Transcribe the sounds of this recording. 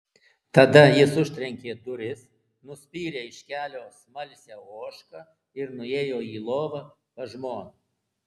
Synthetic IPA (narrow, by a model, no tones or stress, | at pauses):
t̪ɐd̪ɐjɪsʊʃʲt̪ʲɾʲɛŋʲkʲeːd̪ʊɾʲɪs | nʊsʲpʲiːɾʲeːɪʃʲkʲæːlʲoːsmɐlʲsʲæːoːʃkɐː | ɪɾnʊeːjoːiːlˠoːʋɐ | pɐʒmoːnu